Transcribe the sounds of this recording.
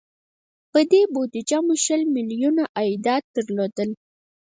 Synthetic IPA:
pəd̪ebod̪id͡ʒamoʃəlmiljunaʔajd̪ɑt̪̚d̪əɾlod̪əl

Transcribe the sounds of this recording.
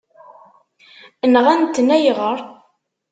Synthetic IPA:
ənʁænt̪ːnæjʁəɾˤ

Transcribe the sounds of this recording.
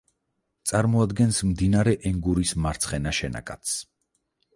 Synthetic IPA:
t̪sʼaɾmɔad̪ɡɛnsmd̪inaɾɛʔɛŋɡuɾismaɾt̪sʰχɛnaʃɛna̰kʼat̪s

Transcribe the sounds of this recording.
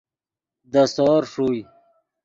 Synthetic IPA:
d̪əsɔːɾʂuj

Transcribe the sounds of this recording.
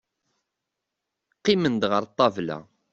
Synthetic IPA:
qːimənd̪ʁəɾt̪ˤːɑvlæ̰

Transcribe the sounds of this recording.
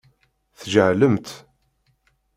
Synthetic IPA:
θʒəʕləmt̪

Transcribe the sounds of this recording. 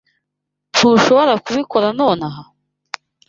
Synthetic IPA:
tʰuːʃoβoɾakuβiko̞ɾano̞ːnaɦa

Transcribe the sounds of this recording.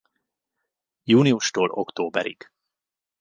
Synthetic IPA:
juːniuʃt̪oːlokt̪oːbɛ̰ɾḭɡ̥

